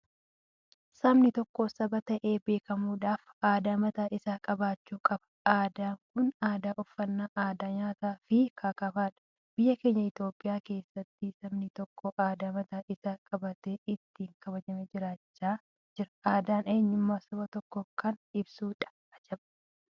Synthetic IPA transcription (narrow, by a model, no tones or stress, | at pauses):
sɐbnɪt̪ɔkːoːsɐbɐt̪ɐʔe̞ːbe̞ːkɐmuːᶑaːfaːd̪aːmɐt̪aːʔɪsaːkʼɐbaːt͡ʃːuːkʼɐbɐ̥ | aːd̪aːŋkʊnaːd̪aːʔɔfːɐnːaːʔaːd̪aːɲaːt̪aːfɪkʰaːkɐfaːᶑɐ̥ | b̥ɪjːɐke̞ːɲːɐɪt̪oːpʼːɪjaːke̞ːsːɐt̪ːɪsɐmnɪt̪ɔkːɔʔaːd̪aːmɐt̪aːʔɪsaːkʼɐbɐt̪eɪt̪ːiːŋkɐbɐd͡ʒɐmed͡ʒɪɾaːt͡ʃːaː | d͡ʒɪɾɐaːd̪aːne̞ːɲːɪmːaːsɐbɐt̪ɔkːɔkɐnɪbsuːᶑɐ̥ | ɐd͡ʒɛbɐ̥